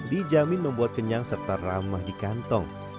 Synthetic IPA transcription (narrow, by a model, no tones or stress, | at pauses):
did͡ʒamɪnməmbuat̪̚kəɲaŋsərt̪aramahdikant̪ɔŋ